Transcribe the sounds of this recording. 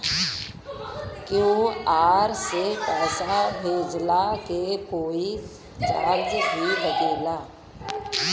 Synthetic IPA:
kjõːaːɾsepɛːsabʱeːd͡ʒlakekoːi | t͡ʃaːɾd͡ʒbʱibəɡeːlaː

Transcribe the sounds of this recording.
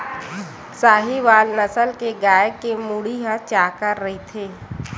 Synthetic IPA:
saːɦiʋaːlnəsəlkeɡaːjəkemuɽiɦat͡ʃaːkəɾːɐɦit̪ʰeː

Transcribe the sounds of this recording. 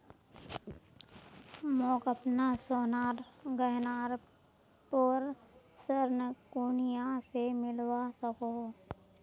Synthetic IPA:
mɔ̃ːkəpnasoːnaːɾɡəɦnaːɾ | poɾ | səɾnəkuːnijasemɪlwasəkoː

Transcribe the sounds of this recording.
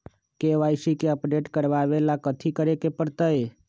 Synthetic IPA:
keʋaɪsikeəpɖeʈkəɾʋaʋelakət̪ʰikəɾekepəɽt̪əe

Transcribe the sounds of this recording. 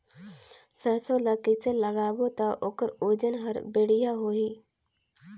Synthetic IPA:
səsõləkiseləɡaːbot̪aʔoːkəɾoːd͡ʒənɦəɾbeːɽijaɦoːɦiː

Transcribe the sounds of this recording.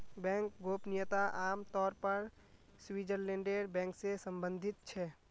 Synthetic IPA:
bɛ̃ːŋkɡoːpnɪjət̪aʔaːmt̪ɔːɾpəɾ | swid͡ʒəɾlɛ̃ːɳɖeɾbɛ̃ːŋksesə̃mbə̃nd̪ʱɪt̪̚t͡ʃʰɛː

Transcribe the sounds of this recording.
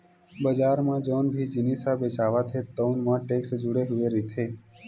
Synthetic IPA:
bəd͡ʒaɾmãd͡ʒonbʱid͡ʒinisabet͡ʃaʋat̪ʰet̪əwnmãʈeksd͡ʒuɽeɦuʋeɾit̪ʰe

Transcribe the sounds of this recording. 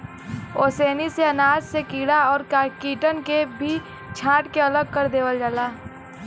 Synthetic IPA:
oːseːniseɐnaːd͡ʒsekiːɽaɔːɾkakiːʈənkebʱi | t͡ʃʰãːʈkeɐləɡ̚kəɾd̪eːʋəld͡ʒaːlaː

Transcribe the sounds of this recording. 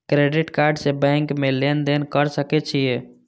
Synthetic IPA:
kɾeɖiʈkaɾɖsebɛŋkmelend̪enkəɾsəkɛt͡ʃʰije

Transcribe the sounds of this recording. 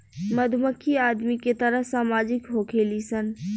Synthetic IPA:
məd̪ʱməkʰːiad̪miket̪əɾəɦsaːmaːd͡ʒɪkɦokʰelisən

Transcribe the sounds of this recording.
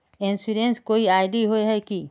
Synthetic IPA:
ẽnsuɾẽnskoːiaːɪɖiɦoeɦɛki

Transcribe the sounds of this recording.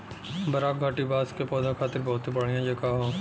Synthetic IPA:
bɐɾaːk̚ɡʱaːʈibaːskepɔːd̪ãkʰaːt̪ɪɾbɔːt̪ibɐɽ̤ijãd͡ʒeːkaːɦõ

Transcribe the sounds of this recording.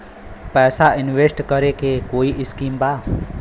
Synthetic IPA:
pɛːsaʔɪnʋeːsʈkəɾekekoːiʔɪskiːmbaː

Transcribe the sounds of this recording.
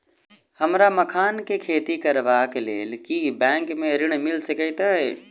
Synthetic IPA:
həmɾaməkʰaːnkekʰeːt̪ikəɾbakeleːlkibɛ̃ːŋkmeɾiɽ̃milsəkət̪əe

